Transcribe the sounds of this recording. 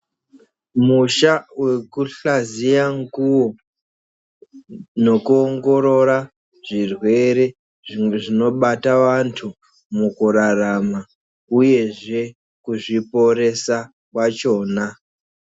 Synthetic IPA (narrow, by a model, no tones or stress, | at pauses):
muʃawe̞kuɬazijaŋɡuwo | no̞kuoŋɡo̞ɾo̞ɾa | ʐirwe̞ɾe̞ | ʐino̞ɓataʋantʰu | mukuɾarama | uje̞ʐe̞ | kuʐipo̞ɾe̞sa | kwat͡ʃo̞ːna